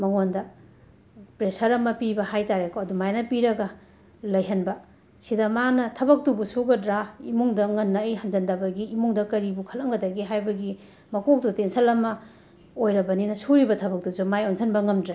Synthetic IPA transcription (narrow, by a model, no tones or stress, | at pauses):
mɐŋondɐ | pɾesɐɾɐmɐpibɐhajtaɾekʰoɐdumajnɐpiɾɐɡɐ | lɐjɦɐnbɐ | sidɐmanɐtʰɐbɐk̚tubusuɡɐdɾaimuŋdɐŋɐnːɐjɦɐnzɐndɐbɐɡiːmuŋdɐkɐɾibukʰɐlɐŋɡɐdɐɡiɦajbɐɡi | mɐkok̚tutensʰɐlɐmɐ | ojɾɐbɐninɐsuɾibɐtʰɐbɐk̚tuzumajonsʰɐnbɐŋɐmdɾa